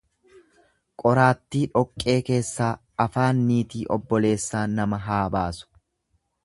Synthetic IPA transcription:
kʼɔɾaːt̪ːiːᶑɔkʼːe̞ːke̞ːsːaː | ɐfaːnːiːt̪iːʔɔbːɔle̞ːsːaːnɐmɐɦaːbaːsʊ̥

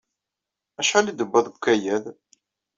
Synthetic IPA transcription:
æʃħalid̪əbːəðˤɡkːæjæð

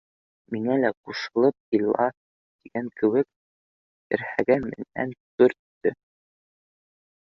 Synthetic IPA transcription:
miŋælæquʃɤ̆lˠɤp̚kilˠɑ | t̪iɡæŋkʰɘ̆wɘk | ɘ̰̆ɾhæɡæmɘ̰̆næ̰nkɵ̆ɾt̪ːɵ

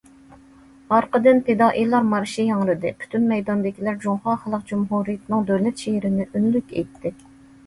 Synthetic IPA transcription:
ɑɾqəd̪ɨnt̪ʰed̪ɑːʔilˠɑɾmɑɾʃijɑŋɾɨd̪ɨpʰy̥t̪ʰynmɛjd̪ɑnd̪ɪkʲʰilæɾd͡ʒuŋχɑːχəlˠəq̚d͡ʒumɦuɾijɪt̪nɨŋd̪øwlɛt̪ʃeɦɾɪnɪʔynlykʲḛjt̪ʰːɪ

